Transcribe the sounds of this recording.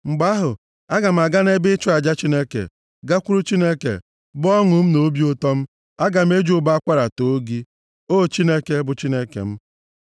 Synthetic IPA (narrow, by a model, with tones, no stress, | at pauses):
ŋ͡m̩˨ɡ͡ba˦ɦʊ˨ | a˦ɡa˨m̩˨a˨ɡa˦n˦e˦bɪ˦t͡ʃʊ˦a˨d͡ʒa˦t͡ʃi˦ne˦kḛ˨ | ɡa˦kʷu˦ɾu˦t͡ʃi˦ne˦kḛ˨ | bʊ˦ɔ˦ŋʊ˨m̩˦no˦bi˦ʊ˦tɔ˦m̩˦ | a˦ɡa˨m̩˦e˦d͡ʒʊ˦ba˦a˦kʷa˦ɾa˨to˨˦ɡi˦ | o˦˨t͡ʃi˦ne˦ke˦bʊ˨t͡ʃi˦ne˦kḛ˨m̩˦